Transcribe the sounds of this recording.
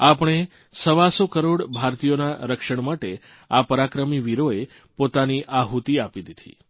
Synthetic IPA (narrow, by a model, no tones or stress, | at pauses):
apɽ̃e | səʋasokəɾoɽbʱaɾt̪ijonaɾəkʃəɳ̃maʈe | apəɾakɾəmiʋiɾoe | pot̪aniʔaɦut̪iapid̪id̪ʰʱḭ